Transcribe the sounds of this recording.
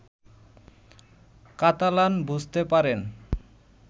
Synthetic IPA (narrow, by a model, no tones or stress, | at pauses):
kat̪alanbud͡ʑʱt̪epaɾen